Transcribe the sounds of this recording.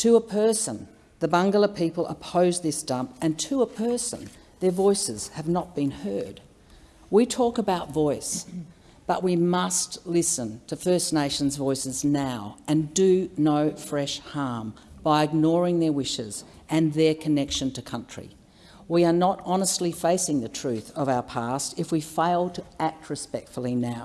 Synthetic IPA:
tʰɨəpʰɜ˞sə̰̃n | ðɨbʌ̃ŋɡl̩ˠə˞pʰipl̩ˠə̰pʰoʊzðɪsd̥ʌ̃mpɨ̃ntʰɨəpʰɜ˞sə̰̃n | ðə˞vɔɪsɨz̥ɨvnət̚b̥ɨ̃nhɜ˞d̚ | witʰɔkəbaʊtvɔɪs | b̥ʌʔ̚wimʌstlɪsɨ̃ntʰɨfɜ˞sneɪʃn̩zvɔɪsɨznaʊɨ̃ndɨnoʊfɹɛʃhɑɹm | b̥aɪɨɡ̚nɔɹɪ̃ŋðə˞wɪʃɪ̰z̥ | ɨ̃nðə˞kʰɨnɛkʃɨ̃ntʰɨkʰʌ̃nt͡ʃɹ̥ḭ | wiə˞nəɾɑnəstˡlifeɪsɪ̃ŋðɨtʰɹ̥ʉθʌvaʊə˞pʰæstɨfwifeɪlˠtʰɨæk̚t̚ʰɹɨspɛk̚tfl̩ˠinaʊ

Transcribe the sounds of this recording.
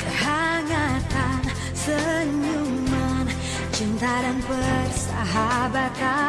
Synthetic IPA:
kəhaŋak̪an | səɲuman | t͡ʃint̪aɾanpərsaɦabat̪a

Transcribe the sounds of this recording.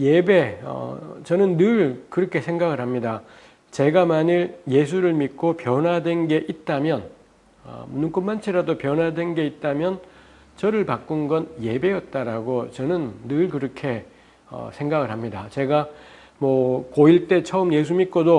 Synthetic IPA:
jebe̞ʌ̰t͡ɕʌnɯnːɯɭkɯɾʌkʰe̞sʰeŋɡaɡɯɭhamɲida | t͡ɕe̞ɡamaɲiɾje̞s̬ʰuɾɯɭmik͈opjʌnɦwadwe̞nɡe̞ʔit̚t͈amjʌn | ʌ̰munɯnk͈unmant͡ɕʰeɾadopjʌnwadwe̞nɡe̞it̚t͈amjʌn | t͡ɕʌɾɯɭpak͈ɯnɡʌnje̞be̞jʌt̚t͈aɾaɡot͡ɕʌnɯnːɯɭkɯɾʌkʰe̞ | ʌ̰sʰe̞ŋɡaɡɯɭɦamɲidat͡ɕe̞ɡa | mwʌkoiɭt͈e̞t͡ɕʰʌɯmje̞s̬ʰumit̚k͈odo

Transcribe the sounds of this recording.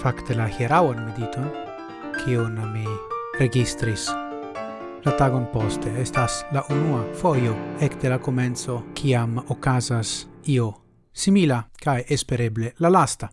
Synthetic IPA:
fakt̪elaheɾawanmid̪it̪on | kʰionamireɡist̪ɾis | lat̪aɡonpost̪eest̪aslaʔunuafojoekt̪elakoment̪sokʰiamokazasio | similakajʔespeɾeblelalast̪a

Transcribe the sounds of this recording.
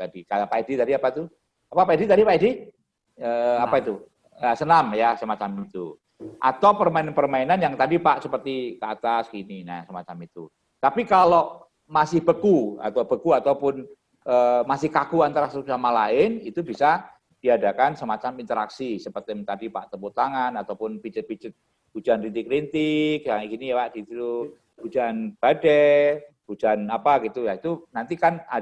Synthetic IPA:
t̪adikaapaidit̪adiapat̪u | apapaidit̪adipaidi | əapait̪u | asənamjasəmat͡ʃamit̪u | ʔa̰t̪awpərmaɪnpərmainanjaŋt̪adipaʔsəpərt̪ikəat̪askinina̰səmat͡ʃamit̪u | t̪apikaloʔ | masɪhb̥əkua̰t̪awbəkuat̪awpʊn | əmasɪhkakuant̪aɾasəsamalaɪnit̪ubisa | d̥iadakansəmat͡ʃamint̪əɾaksisəpət̪ɪmt̪adipaʔt̪əput̪aŋanat̪awpʊnpit͡ʃət̪̚pit͡ʃət̪̚ | b̥ud͡ʒanrint̪ɪkɾint̪ɪkjaŋkinijawaʔd̥it̪ut̪u | bud͡ʒanb̥adɛ | b̥ud͡ʒanapaɡit̪ujait̪unant̪ikana

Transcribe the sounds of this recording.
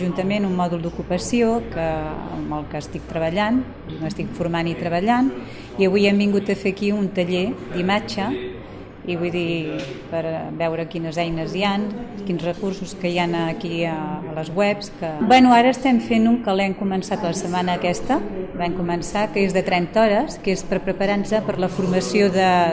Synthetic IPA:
ʒunt̪əmenummɔðulˠd̪ukupəsiokəə̰məlˠkəːst̪ik̚t̪ɾəβəʎan | iməst̪ikfuɾmanit̪ɾəβəʎan | iəβujɛmbiŋɡut̪əfekiunt̪əʎed̪imad͡ʒə | iβujðipəɾβɛwɾəkinəzɛjnəzjankinzrəkursuskəjanəkiəːləzɣwɛpskəbwɛnuaɾəːst̪ɛmfenuŋkəlɛmkumənsat̪ləsəmanəːkɛst̪əβɛmkumənsakəezðət̪ɾɛnt̪ɔɾəskespəɾpɾəpəɾanzəpəɾləfuɾməsioðə

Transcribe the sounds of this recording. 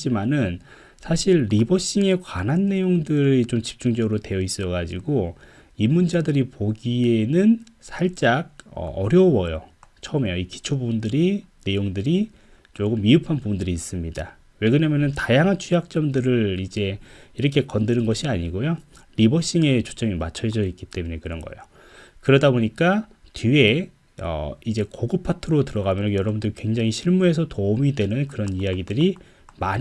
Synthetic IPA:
d͡ʑimanɯn | sʰaɕʰiɭɾibʌɕ͈iŋe̞kwanɦanːe̞joŋdɯɾit͡ɕomt͡ɕi̥p̚t͡ɕ͈uŋd͡ʑʌɡɯɾote̞jʌis͈ɯʌɡad͡ʑiɡo | imːund͡ʑadɯɾipoɡie̞nɯn | sʰaɭt͡ɕ͈aɡ̚ʌ̰ʌɾjʌwʌjo̰t͡ɕʰʌme̞joiki̥t͡ɕʰobubundɯɾi | ne̞joŋdɯɾi | t͡ɕoɡɯmːiɯpʰanpubundɯɾiːs͈ɯmɲida | we̞ɡɯɲamjʌnɯntajaŋɦant͡ɕʰujak̚t͡ɕ͈ʌmdɯɾɯɭid͡ʑe̞iɾʌkʰe̞kʌndɯɾɯnɡʌɕʰiaɲiɡojo | ɾibʌɕ͈iŋe̞t͡ɕʰo̥t͡ɕ͈ʌmimat͡ɕʰʌd͡ʑʌik͈it͈e̞muɲekɯɾʌnɡʌ̰ḛjo | kɯɾʌdaboɲik͈atie̞ | ʌ̰id͡ʑe̞koɡɯpʰatʰɯɾotɯɾʌɣamjʌnjʌɾʌbundɯɾikwe̞ŋd͡ʑaŋiɕʰiɭmuɦe̞s̬ʰʌtomidwe̞nɯnkɯɾʌnijaɡidɯɾi | maɲ

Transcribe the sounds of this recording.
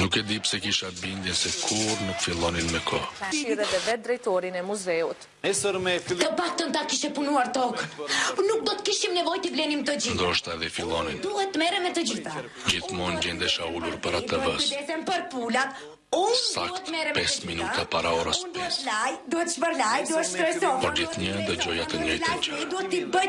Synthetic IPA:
nukɛd̪ipsɛkiʃabind̪jɛnsɛkʰuɾnukfilˠɔninmɛkʰɔaʃiɾɛðɛvɛd̪ɾɛjt̪ɔɾinɛmuzɛut̪ | ɛsɔɾmɛfilˠt̪əfak̚t̪ənt̪akiʃɛpunuaɾt̪ɔknuk̚d̪ɔt̪kiʃimnɛvɔjt̪əvlɛnimt̪əd͡ʑind̪ɔʃt̪aɛðɛfilˠɔnind̪uhɛt̪ːmɛɾɛmɛt̪əd͡ʒiθa | d͡ʒiθmɔnd͡ʒɛnd̪ɛʃauluɾpaɾat̪əbəid̪ɛsɛmpəɾpulat̪ | ufa̰kɛt̪ːmɛɾɛpɛsminut̪apaɾaɔɾəsnd̪uɛt̪lajd̪uhɛt̪əʃpəɾlajd̪uɛt̪ʃt̪ɾɔjsɔpɔɾd͡ʒiɲəd̪əd͡ʒɔjat̪əɲɛjd̪uɛt̪ːibə

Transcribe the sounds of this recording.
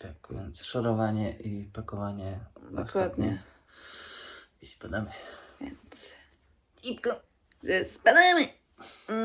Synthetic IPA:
t̪akvʲjɛnt̪sʂaɾɔvaɲɛʔipakɔvaɲɛd̪sad̪ɲɛ | ispad̪aməvʲɛ̰nt̪s | ipkɔ | zɛspad̪amɪ

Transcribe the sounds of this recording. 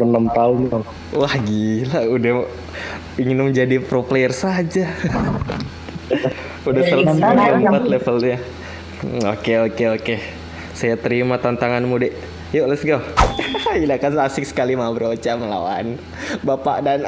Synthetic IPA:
bənamt̪aʊnaŋ | wahɡilauda | iŋɪnməɲd͡ʒadipɾoplersad͡ʒa | udasəlaəmpat̪lefəlɲa | okeokeoke | sajat̪əɾimat̪ant̪aŋanmudɛʔ | joləsɡamailakansasɪk̚sə̥kalimabəɾot͡ʃaməla̰wa̰n | bapa̰ʔdan

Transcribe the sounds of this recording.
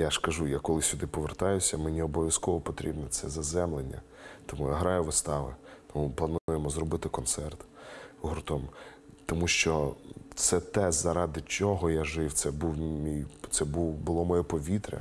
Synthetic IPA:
jaʃkɐʒujakɔlˠɪsʲʊd̪ɪpɔʋert̪ɑjʊsʲɐmɪnʲiɔbɔʋʲjɐskɔʋɔpɔt̪ɾʲibnɛt̪sɛzɐzɛmlˠenʲːɐ̰ | t̪ɔmujaɦɾɑjʊʋɪst̪ɑʋɪ̰t̪ɔmuplˠɐnujemɔzɾɔbɪt̪ɪkɔnt̪sɛrt̪ | ɦɔrt̪ɔm | t̪ɔmuʃt͡ʃɔsɛt̪ɛzɐɾɑd̪ɪt͡ʃɔɦɔjaʒɪwt̪sɛbuwmʲijt̪sɛbuwbʊlˠɔmɔjɛpɔʋʲit̪ɾʲɐ̰

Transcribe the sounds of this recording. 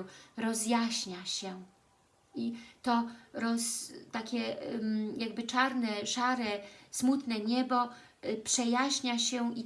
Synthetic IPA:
ɾɔzjaɕɲaɕɛ | ʔit̪ɔɾɔst̪akʲɛmjaɡ̚bɘt͡ʂaɾnɛʂaɾɛsmut̪nɛɲɛbɔ | pʂɛjaɕɲaɕɛi

